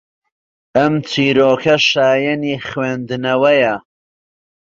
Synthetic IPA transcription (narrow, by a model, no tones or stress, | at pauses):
ɐmt͡sʰiːɾoːkʰɐʃaːjɐniːχweːnd̪nɐwɐjɐ